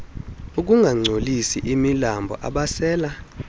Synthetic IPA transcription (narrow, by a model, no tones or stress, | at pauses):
uk̬ʼuŋɡʱaŋ͡ǀʱolisiʔimilambʱɔ̰ʔa̰ɓasɛːla